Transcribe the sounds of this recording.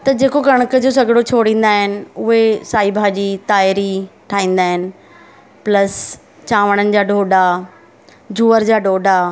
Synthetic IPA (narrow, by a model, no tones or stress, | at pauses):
t̪ɐd͡ʑeːkokɐɽ̃əkəd͡ʑoːs̬ɐɡɪɽot͡ɕʰoːɽĩːn̆d̪aːɦɪnɪ̆ʊɦesaːibʱaːd͡ʑiːt̪aːɪɾiʈʰaːɦĩːn̆d̪aːɦɪnɪ̆ | plɐs | t͡ɕãːʋəɽ̃ənɪ̆d͡ʑaːɖʱoːɖa | d͡ʑuːəɾd͡ʑaːɖʱoːɖa